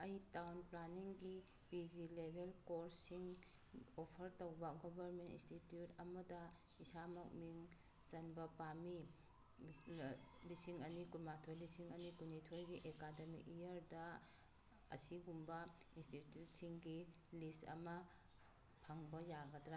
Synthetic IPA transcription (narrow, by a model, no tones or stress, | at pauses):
ɐjtawnplaniŋɡi | pizilebʱelkoɾsiŋ | opʰɐɾtowbɐɡobʱɐɾmentḭnstitjutɐmɐdɐ | isamɐk̚miŋ | zɐnbɐpami | lisiŋɐnikuɾmatʰojlisiŋɐnikunitʰojɡiʔekademḭijɐɾdɐ | ɐ̰siɡumbɐinstitjut̚siŋɡi | listɐ̰mɐ | pʰaŋbɐjaɡɐtɾa